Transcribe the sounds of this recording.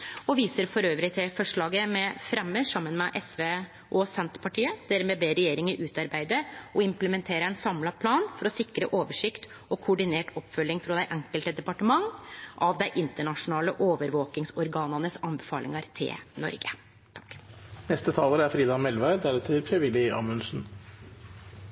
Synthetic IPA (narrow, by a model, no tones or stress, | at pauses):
ɔʋiːsəɾfɔɾøːʋɾɪt̪ʰɪlfɔʂɭɑːɡəmɛfɾɛmːəʂɑmːənmɛʔɛsʋeː | ʔɔsɛnt̪pʰɑʈʰiːəd̪̥æɾmɛbeːɾɛjeːɾɪŋəʔʉːt̪ɑɾbæɪd̪əɔɪmpləmɛnt̪ʰeːɾəɛnsɑmlɑpʰlɑːnfɔɾɔsɪkɾə̰ʔoːʋəʂɪkt̪ | ɔkʰʊɖɪneːʈɔpːfœlːɪŋfɾɔd̪æɪʔɛŋkəlt̪əd̪ɛpɑʈəmɑŋːʔɑʋd̪æɪʔɪnt̪əɳɑʂʊnɑːləʔoːʋəɾʋoːkɪŋsɔɾɡɑːnənəsɑnbəfɑːlʔɪ̰ŋɑɾt̪ʰɪ̰lnɔ̰ɾɡə̰ | t̪ʰɑ̥knɛst̪ət̪ʰɑːləɾəæɾfɾiːd̪ɑnmɛlʋæɾd̪æɾɛt̪ʰɪlt̪ʰɾɛʋɪlɪɑ̰ːmʉnsn̩